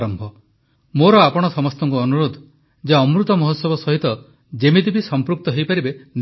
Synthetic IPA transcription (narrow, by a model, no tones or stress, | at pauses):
ɾɔmbʱɔ | moɾɔapɔɽ̃ɔsɔmɔst̪ɔŋkuɔnuɾod̪ʱ | d͡ʒaɔmɾut̪ɔmɔɦot̪sɔbɔsɔɦit̪ɔ | d͡ʒemid̪ibisɔmpɾuk̚t̪ɔɦejpaɾiben